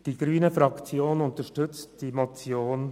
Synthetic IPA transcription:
d̥iɡ̥ɾyːnəfɾɑkt͡sjoːnʊnt̪əʃtɵt͡std̥imot͡sjoːn

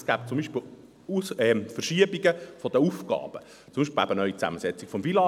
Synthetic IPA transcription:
sɡ̥æːpt͡sʊmbiʃpel | usɛfərʃiəbiɡəfɔd̪əufɡ̥ɑ̰ːb̥ə | t͡sʊmbiʃpelæb̥ənœʏit͡sæ̰məsɛt͡sikfɔmvilɑː

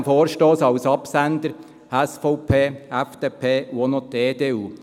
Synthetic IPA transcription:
foːɾʃtoːsɑʊsɑpsænd̪əɾ | ɛsfɔʊpʰeːɛfd̪̥eːpʰeːonot̪eːdeːuː

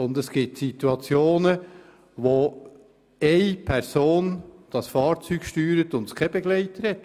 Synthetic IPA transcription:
ʊnd̪ɛsɡ̥ɪtsit̪uɑt͡sjoːnə | ʋo | ɛɪpʰɛɾsoːnd̥ɑsfɑːɾt͡syːɡ̥ʃtyːɾət̪ʊndkʰɛb̥ɛɡlɛɪtəɾhɛt̪

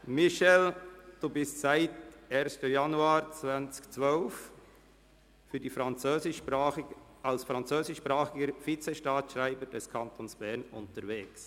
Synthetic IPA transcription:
mɪʃɛld̥uːbɪstsaɪteːɾstəjɑnuaːɾt͡svant͡skt͡svœlf | fyɾdiːfɾɑnt͡søːzɪ | alsfɾɑnt͡søːsɪʃːpɾaːχɪɡəɾfit͡sɛʃtaːtʃɾaɪbəɾd̥ɛskʰɑntʰonsb̥ɛɾnʊ̰ntəɾveːks

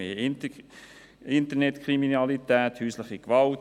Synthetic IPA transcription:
eː | ɪnt̪ənɛtkʰʁiminɑlitæːthyːslɪχikʋɑlt

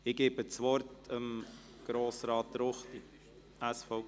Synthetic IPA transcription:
ɪɡeːbət͡sʋɔrt̪əm | ɡ̥ɾoːsɾɑːtːəɾoχt̪i | æsfɔ

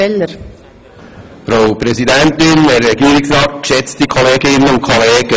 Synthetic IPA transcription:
ɛlːəɾ | fɾawpɾɛsidænt̪ɪnɛɾːɛɡiːɾɪksɾɑːt̚kʃɛt͡stikʰoleːɡɪnːənʊn̚kʰoleːɡə

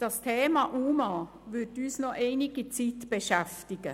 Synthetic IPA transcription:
d̥ɑstʰeːmɑʔuːmɑ | ʋʏtyːsnɔʔeɪniɡ̥it͡sitb̥eʃæftɪɡ̥ə

